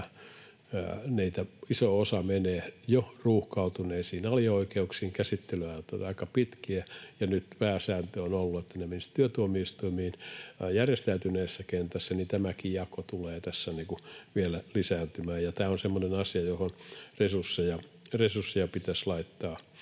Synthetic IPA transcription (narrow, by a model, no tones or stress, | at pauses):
niːt̪æisoosɑmeneːjoruːhkɑut̪uneːsiːnɑliɑoikeuksiːŋkæsit̪ːelyæot̪ːɑɑikɑpit̪kiæjɑnyt̪pæːsæːnt̪øonolːuet̪ːænemenist̪yøt̪uomiist̪uimiːnjærjest̪æyt̪yneːsːækent̪æsːænit̪æmækijɑkot̪uleːt̪æsːæniːkuʋielælisæːnt̪ymæːjɑt̪æːonsemːonenɑsiɑjohonresursːejɑ | resursːijɑpit̪æslɑit̪ːɑː